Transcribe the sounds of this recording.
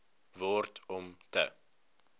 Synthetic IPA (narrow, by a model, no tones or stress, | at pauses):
vɔrtʰɔmtə̰